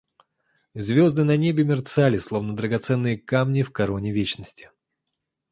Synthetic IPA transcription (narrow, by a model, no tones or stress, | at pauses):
zʲvʲo̞zd̪ɨnɐnʲebʲɪmʲɪrt̪salʲɪslˠo̞vnəd̪ɾəɡɐt̪sɛnːɨjəkamnʲɪfkɐɾonʲɪvʲet͡ɕnəsʲtʲɪ̥